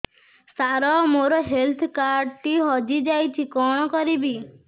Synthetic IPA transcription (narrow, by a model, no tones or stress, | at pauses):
saɾɔmoɾɔɦelt̪ʰkaɾɖʈiɦɔd͡ʒid͡ʒajt͡ʃʰikɔɽ̃ɔkɔɾibi